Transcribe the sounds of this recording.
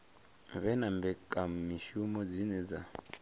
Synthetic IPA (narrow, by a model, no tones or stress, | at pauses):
βɛnambɛkʼam̩miʃumɔd͡zinɛd͡za